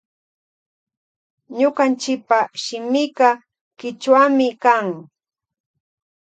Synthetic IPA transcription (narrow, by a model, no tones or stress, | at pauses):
ɲʊqant͡ʃɪk̚paʃɪmɪkɑ | kɪt͡ʃwamɪkaŋ